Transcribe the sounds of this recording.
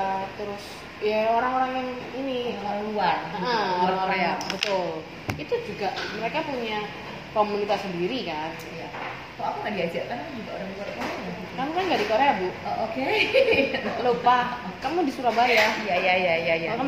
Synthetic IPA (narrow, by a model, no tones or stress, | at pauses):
t̪əɾʊs | jaoɾaŋoɾaŋjaŋinioɾaŋluarəʔəoɾaŋoɾaeabət̪ʊl | it̪ud͡ʒuɡaʔməɾekapuɲa | komunit̪asəndiɾikan | ja | aakuŋadiad͡ʒaʔkankd͡ʒuɡaoɾaŋiukaɾkoɾaaikamukanɡadikoɾeabʊoke | lopakamudisuɾabajahjajajajajaka